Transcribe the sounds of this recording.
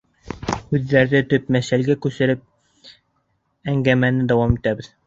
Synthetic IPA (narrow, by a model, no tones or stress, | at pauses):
ʉðːæɾðɘt̪ɵp̚mæʃælɡækʉsɘ̆ɾɘp̚ | æŋɡæmænɘd̪æwɑmit̪æβɘ̆ð